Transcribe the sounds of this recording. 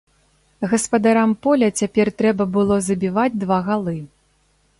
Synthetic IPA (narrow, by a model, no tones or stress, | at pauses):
ɣɐspɐd̪aɾampɔlʲɐt͡sʲapʲɛrt̪ɾɛbɐbɨlˠɔzɐbʲivad͡zʲd̪vaɣalˠɨ